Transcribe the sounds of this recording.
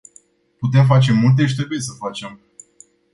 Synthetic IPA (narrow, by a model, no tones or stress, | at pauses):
put̪e̞mfat͡ʃe̞mult̪̬e̞ʃ̬ʲt̪ɾebujesəfat͡ʃe̞m